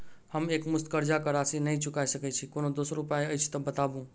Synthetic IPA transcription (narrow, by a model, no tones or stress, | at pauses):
həmekmʊst̪̚kəɾd͡ʒakəɾasinəɦĩt͡ʃʊkaiʃəkɛt͡ʃʰikonod̪osɾupaeəjt͡ʃʰt̪ɔbət̪aʋũ